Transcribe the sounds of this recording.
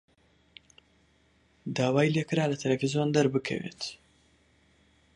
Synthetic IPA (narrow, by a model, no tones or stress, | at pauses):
d̪aːwaːjilekɾalɐt̪ʰɐlafizjond̪aɾbɨkʰa̰wḛt̪